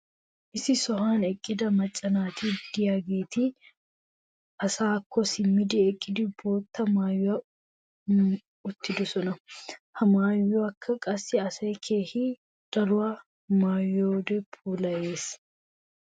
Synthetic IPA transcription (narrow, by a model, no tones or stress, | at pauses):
ʔɪsɪsɔɦaːnɛkʼːɪd̪ɐmɐt͡ʃʼːɐnaːt̪iːd̪̥ɪjaɡeːt̪i | ɐsaːkːɔsɪmːɪd̪ɛɛkʼːɪd̪ɪboːt̪ːɐmaːj | ʊt̪ːɪd̪ʊsɔnɐhɐmaːjːoɐkʰːɐkʼɐsːɪɐsɐjkʰeːhɪ | d̥ɐɾʊa | maːjːoːd̪ɛpʰuːlɐʔeːs